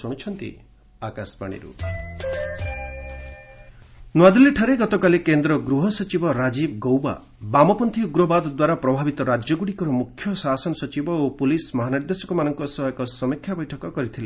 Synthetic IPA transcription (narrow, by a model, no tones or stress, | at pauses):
suɽ̃it͡ʃʰɔnt̪ḭ | akaspaɽ̃ḭɾṵ | nwad̪ileʈʰaɾeɡɔt̪ɔkalekend̪ɾɔɡɾuɦɔsɔt͡ʃibɔɾad͡ʒibɡowba̰ | bamɔpɔnt̪ʰiuɡɾɔbad̪ɔd̪waɾapɾɔbʱabit̪ɔɾad͡ʒjɔɡuɽikɔɾɔmukʰːjɔsasɔnɔsɔt͡ʃibɔopulismɔɦaniɾd̪esɔkɔmanɔŋkɔsɔɦjkɔsɔmikʰːjabɔjʈʰɔkɔkɔɾit̪ʰile